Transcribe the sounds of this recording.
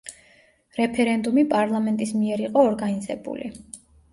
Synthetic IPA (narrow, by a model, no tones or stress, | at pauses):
ɾɛpʰɛɾɛnd̪umipʼaɾlˠamɛnt̪ʼismiɛɾiqʼɔːɾɡanizɛbṵlḭ